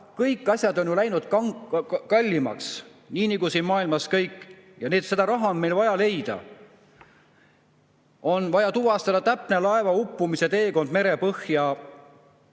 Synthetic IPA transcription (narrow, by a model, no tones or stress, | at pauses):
kɤjkːˑɑsʲjɑd̪o̞njolæjnud̪̥kɑŋkɑlʲːimɑ̰ksniːniɡusinmɑːilmɑskɤjkːˑ | jɑneːt̪se̞d̪̥ɑɾɑɦɑonme̞jlvɑjɑle̞jd̪̥ɑ̰ | o̞nvɑjɑt̪uvɑst̪ɑd̪ɑt̪æpne̞lɑe̞vɑupːumiset̪e̞ːko̞nd̪̥me̞ɾe̞pɤhjɑ